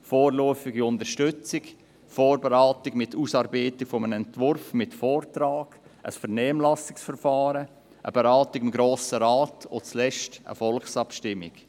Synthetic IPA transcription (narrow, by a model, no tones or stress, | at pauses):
foːrlɔəfɪɡiʊndəʃtʏt͡sɪk | foːɾbeɾaːtɪɡmɪtʰuːsɑːɾbeɪtɪkfɔmənɛntvʊɾfmɪtfɔːrtɾaːɡ̥ʔə̰sfəɾnɛːmlasɪksfəɾfaːɾə | ʔə̰b̥eɾaːtiɡɪmɡɾoːsəɾaːtot͡slɛʃtə̰fɔlksɑpʃtɪmːɪk